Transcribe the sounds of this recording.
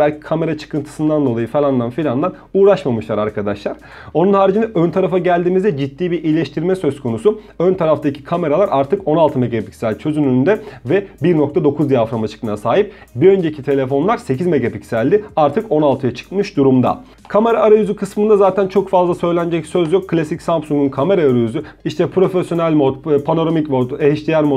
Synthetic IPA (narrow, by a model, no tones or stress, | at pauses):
bælʲcʰi̥kʰame̞ɾat͡ʃʰɯ̥kɯnt̪ʰɯ̥sɯnd̪and̪o̞lˠajɯfelˠand̪anfilʲand̪ˠan | uːɾaʃmamɯʃlˠaɾaɾkʰad̪aʃlˠaɾ | o̞nunhaːɾid͡ʒind̪ɛʔønt̪ʰaɾafaɟælʲd̪iːmizd̪ɛd͡ʒit̪ːiːbiɾʔijlʲɛʃt̪ʰiɾmɛsø̞skʰo̞nusu | ønt̪ʰaɾaft̪acʰi̥kʰame̞ɾalˠaɾʔaɾt̪ʰɯko̞nalˠt̪ʰɯme̞ɡapi̥csælʲt͡ʃʰø̞zynynd̪ɛvɛbiɾno̞k̚t̪ad̪o̞kʰuzd̪ijafɾamat͡ʃʰɯ̥kmajasaːɦip̚ | biø̞nd͡ʒecʰit̪ʰe̞lʲe̞fo̞nlˠaɾse̞cʰizmeɡapicsælʲd̪ɪaɾt̪ʰɯko̞nalˠt̪ʰɯjat͡ʃʰɯ̥kmɯʃd̪uɾumd̪a̰ | kʰame̞ɾaːɾajyzykʰɯsmɯnd̪azaːt̪ʰænt͡ʃʰo̞kfazlˠasø̞jlʲænd͡ʒɛcsøzjokʰːlʲasicsampsuŋɡunkʰame̞ɾaːɾajyzy | iʃt̪ʰɛpɾo̞fesjo̞nælʲmopʰano̞ɾomicmoeɦiʃlʲijænmo